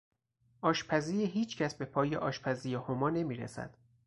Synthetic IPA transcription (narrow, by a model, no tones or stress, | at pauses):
ʔɒːʃpʰæziːiɦiːt͡ʃʰcʰæsbe̞pʰɒːjeʔɒːʃpʰæziːjehomɒːne̞miːɾḛsæ̰d̪̥